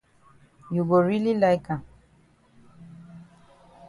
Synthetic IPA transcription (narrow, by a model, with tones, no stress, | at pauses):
ju˨ɡo˨ɹi˦li˦la˦jka˨